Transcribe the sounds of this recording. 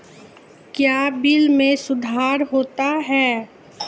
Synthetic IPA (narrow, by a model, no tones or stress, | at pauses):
kjaːbɪlmẽsʊd̪ʱaːɾɦoːt̪aɦɛː